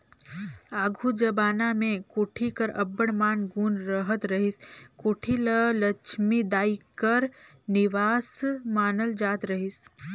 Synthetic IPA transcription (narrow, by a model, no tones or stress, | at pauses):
aːɡʱud͡ʒəbaːnamẽkoːʈʰikəɾɐbəɽmaːnɡuːnɾəɦət̪ɾəɦɪskoːʈʰilələt͡ʃʰmid̪aːikəɾ | nɪʋaːsmaːnəld͡ʒaːt̪ɾəɦɪs